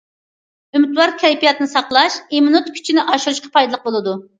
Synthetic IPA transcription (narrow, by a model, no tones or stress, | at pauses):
ymyt̪wɑɾkʲʰɛɾipijɑt̪ɨnɨsɑqlˠɑʃemunut̪kʲʰy̥t͡ʃʰinɪʔɑʃuɾuʃqɑ̥pʰɑjd̪ɨlˠəq̚bolˠɨd̪u